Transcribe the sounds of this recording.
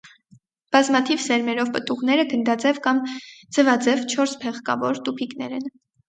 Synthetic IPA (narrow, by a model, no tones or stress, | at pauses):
b̥ɑzmɑt̪ʰivsɛɾmɛɾɔvpət̪uʁnɛɾəɡənd̪ɑd͡zɛvkɑmd͡zəvɑd͡zɛvt͡ʃʰɔɾspʰɛʁkɑ̰vɔɾt̪upʰiknɛ̰ɾɛn